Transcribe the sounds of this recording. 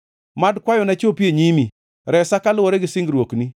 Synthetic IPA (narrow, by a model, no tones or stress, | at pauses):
madkwajɔnat͡ʃopjeɲimi | ɾɛsakalʊwɔɾeɡɪsɪŋɡɾwokni